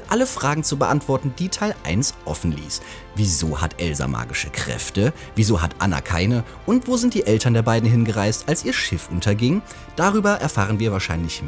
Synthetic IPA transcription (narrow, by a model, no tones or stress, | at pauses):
ʔaləfʁ̥aːɡŋ̩t͡subəʔantv̥ɔɐtn̩diːtʰaɪlʔa̰ɪnsʔɔfn̩lḭːs | viːzo̰ːha̰tʔɛlza̰mʔa̰ːɡɪʃəkʁ̥ɛ̰ftə | viːzoːɦa̰tʔa̰na̰kʰa̰ɪnə | ʔʊntv̥oːzɪntd̥iːʔɛltʰɐndeːɐbaɪdn̩ɦɪnɡəʁaɪstʔalsʔiːɐʃɪfʔʊntʰɐɡɪŋ | d̥aʁyːbɐʔɛɐfaːʁ̞ənviːɐvaːɐʃaɪnlɪç